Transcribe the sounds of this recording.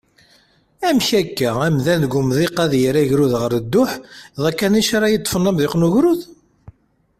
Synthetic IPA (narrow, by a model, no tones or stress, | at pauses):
æmçækːææmðænɡumðˤiqæðjəɾæʝɾuðʁəɾəd̪ːʊħðˤɑkːæniʃaɾˤɑjit̪ˤːfənːəmðɪqnuʝɾuð